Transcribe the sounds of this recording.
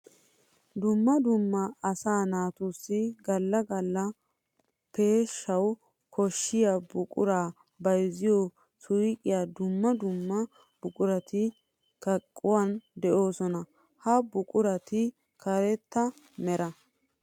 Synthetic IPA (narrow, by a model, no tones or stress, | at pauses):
d̪ʊmːɐd̪ʊmːɐːsaːnaːt̪usːɪɡɐlːɐɡɐlːɐ | pe̞ːʃːɐw | kʰɔʃːɪjabʊkʼʊ̰ɾaː | bɐjzɪjɔ | sʊjkʼɪjaːd̪ʊmːɐd̪ʊmːɐ | b̥ʊkʼʊɾɐt̪ɪ | kɐkʼːʊwand̪ɛʔo̞ːsɔnɐ | hɐbʊkʼʊɾɐt̪ɪ | kʰɐɾɛt̪ːɐ | mɛɾɐ